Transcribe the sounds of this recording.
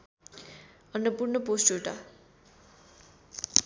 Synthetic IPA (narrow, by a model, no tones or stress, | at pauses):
ʌnːʌpurnʌposʈeʈa